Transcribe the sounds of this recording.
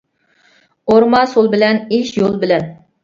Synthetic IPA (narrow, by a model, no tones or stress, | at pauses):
oɾmɑsolˠbɪlɛneʃjolˠbɪlɛn